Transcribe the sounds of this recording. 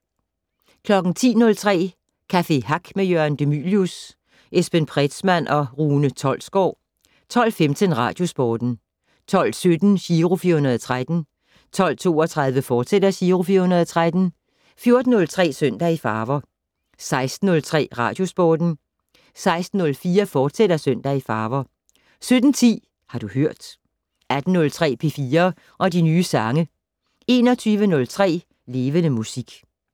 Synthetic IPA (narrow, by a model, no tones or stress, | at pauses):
kʰlɒ̽ɡ̥n̩t͡sʰḭːnɔ̽lt͡sʰʁɛ̰ː | kʰæfe̝ɦɑɡ̥mejøɐnd̥e̝my̰ːljus | ʔesb̥enpʰʁɛd̥smæn̰ʔɒ̽ʁuːnət͡sʰɒ̽l̰sɡ̥ɒ̰ː | t͡sʰɒ̽l̰femt͡sʰənʁɑ̰̈ːd̥jo̝sb̥ɒːd̥n̩ | t͡sʰɒ̽l̰sød̥n̩ɕiːʁofiːɐhunɐðˠt͡sʰʁad̥n̩ | t͡sʰɒ̽l̰t͡sʰo̝̰ːɒt͡sʰʁɑ̈ð̞ˠʋəfɒ̥ːsed̥ɐɕiːʁofiːɐhunɐð̩ˠt͡sʰʁad̥n̩ | fjo̝ɐd̥n̩nɔ̽lt͡sʰʁɛ̰ːsøn̰d̥æifɑ̈ːʋɐ | sɑ̈ɪsd̥n̩ːɔ̽lt͡sʰʁɛ̰ːʁɑ̰̈ːd̥jo̝sb̥ɒːd̥n̩ | sɑ̈ɪsd̥n̩ɔ̽lfiːɐfɒːd̥sed̥ɐsøn̰d̥æifɑ̈ːʋɐ | sød̥n̩t͡sʰḭː | hɑ̈d̥uhøɐ̰d̥ | æd̥n̩ːɔ̽lt͡sʰʁɛ̰ːpʰe̝fiːɐ | ʔɒ̽dinyːsɑ̈ŋə | e̝nɒ̽t͡sʰyːʋənɔ̽lt͡sʰʁɛ̰ː | le̝ːʋənəmusiɡ̥